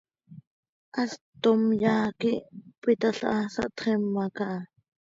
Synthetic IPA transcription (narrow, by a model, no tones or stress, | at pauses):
ʔɑst̪omjaːkiʔpit̪aɬʔɑsɑ̰ʔt̪χɛmːɑkɑʔ